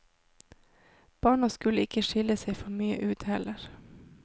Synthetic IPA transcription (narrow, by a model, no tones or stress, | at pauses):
b̥ɑːɳɑskʉləɪkəʃɪləseɪfɔmyːə̰ʔʉːt̪hɛləɾ